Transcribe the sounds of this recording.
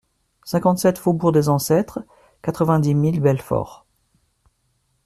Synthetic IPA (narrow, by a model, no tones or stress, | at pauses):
sɛ̃kɑ̃t̪sɛt̪fobuʁd̪ezɑ̃sɛt̪χ | kat̪χəvɛ̃d̪imilbɛlfɔ̰ʁ